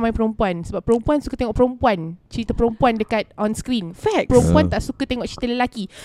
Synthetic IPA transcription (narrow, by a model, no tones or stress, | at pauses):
mãjpəɾompuansəbapːəɾompuansukət̪eŋɔʔpəɾõmpuant͡ʃəɾit̪apəɾompuandəkat̪̚ɔ̃nskɾinfɛk̚pəɾõmpuant̪aʔsukət̪eŋɔʔt͡ʃɾit̪ələlaki